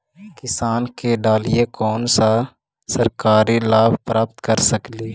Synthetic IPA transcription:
kɪsaːnkeɖaːlijekɔːnsa | səɾkaːɾilaːbʱpɾaːp̚t̪kəɾsəkleː

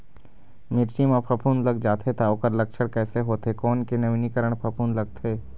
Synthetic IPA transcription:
mɪɾt͡ʃimãpʰɐpʰuːnlɐɡd͡ʒaːt̪ʰet̪aoːkəɾlɐkʃəɽkɛːseɦoːt̪ekɔːnkenɐʋinikəɾəɽ̃pʰɐpʰuːnlɐɡt̪ʰeː

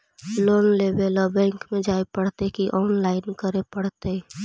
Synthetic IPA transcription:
loːnlebelɔbɛ̃ːŋkmẽd͡ʒaːepəɽt̪ekiʔɔːnlaːɪnkəɾepəɽ̤t̪e

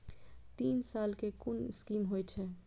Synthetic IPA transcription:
t̪iːnsaːlkekʊnɪskiːmɦojt͡ʃʰɛ

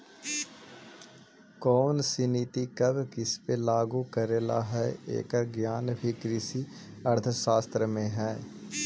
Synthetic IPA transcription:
kɔːnsiniːt̪ikɐbʱkɪspelaːɡukəɾeːla̰ɦɛḛːkəɾɡjaːnbʱikɾɪsi | ɐɾt̪ʰəʃaːst̪ɾəmẽɦɛː

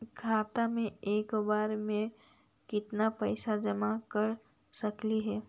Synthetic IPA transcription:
kʰaːt̪amẽeːkbaːɾmẽ | kɪt̪napɛːsad͡ʒɐmakɐɾ | sɐkliɦɛː

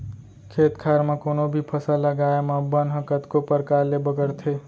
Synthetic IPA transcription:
kʰeːt̪kʰaɾmekoːnobʱipʰəsəlːəɡaeməbənɦəkət̪kopəɾkaɾlebəɡəɾt̪ʰe

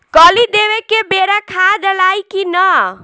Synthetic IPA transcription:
kəlid̪ewekebeɾakʰad̪əlajkinə

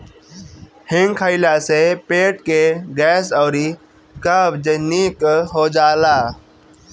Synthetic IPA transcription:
hɪ̃ŋɡkʰəɪlasepeːʈkeɡɛːsɔːɾi | kəbd͡ʒənikɦod͡ʒaːlaː

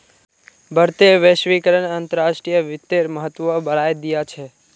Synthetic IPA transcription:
bʱəɾt̪eʋeʃʋikəɾəɳənt̪əɾaʃʈɾijəʋɪt̪ːeɾməɦət̪ːʋəbəɭajd̪ijat͡ʃʰe

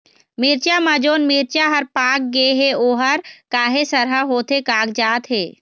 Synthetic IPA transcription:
miːɾt͡ʃamãd͡ʒoːnmiːɾt͡ʃaɦəɾpaːk̚ɡeɦeoːɦəɾkaːɦesəɾɦəɦoːt̪ɦekaːkd͡ʒaːt̪ɦeː

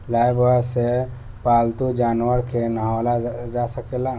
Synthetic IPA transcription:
lajbwəse | palt̪ud͡ʒanwəɾkʰenəɦalad͡ʒasəkela

